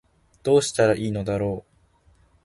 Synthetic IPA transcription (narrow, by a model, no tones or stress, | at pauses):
d̪̥o̞ːɕi̥t̪aɾaʔiːno̞d̪aɾo̞ː